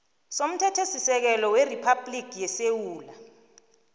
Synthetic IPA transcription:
som̩tʰɛtʰesisɛk̬ɛlɔweripʰablikʰjɛsewuːla

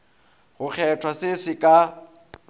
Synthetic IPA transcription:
ɣʊk͡xʰɛtʰwasɪsɪkʼa

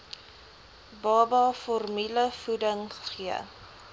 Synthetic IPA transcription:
bɑːbɑfɔrmiləfudəŋχə̥χiə̰

